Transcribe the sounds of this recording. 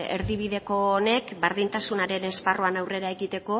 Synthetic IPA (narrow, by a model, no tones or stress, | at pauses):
ḛɾðiβ̞iðe̞ko̞ːne̞kbaɾðint̪asunaɾe̞ne̞sparoanawre̞ɾae̞ɣit̪e̞ko̞